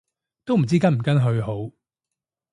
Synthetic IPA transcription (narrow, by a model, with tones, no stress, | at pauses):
t̪o˥wm̩˨˩t͡siː˥kɐ˥nm̩˨˩kɐ˥nɦɵ˧ɥɦo˨˥w